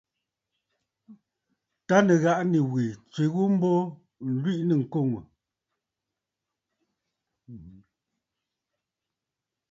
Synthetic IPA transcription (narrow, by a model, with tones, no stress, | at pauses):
ta˦nə˨ɣa˦ʔni˨wi˨t͡swe˨ɣu˦m̩˦bo˦ | n̩˨lwi˦ʔnə˦˨ŋ̩˨ko˦˨ŋu˨